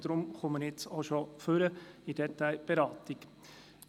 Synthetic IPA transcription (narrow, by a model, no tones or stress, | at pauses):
d̥̪ɾʊmχuməɾɪt͡soʃoføɾəid̥ɛt̪aɪb̥eɾɑːt̪ik